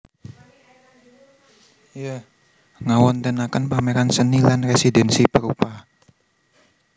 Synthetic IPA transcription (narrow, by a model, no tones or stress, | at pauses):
ja | ŋawɔnt̪ənakənpameɾansənilanresidɛnsipəɾupa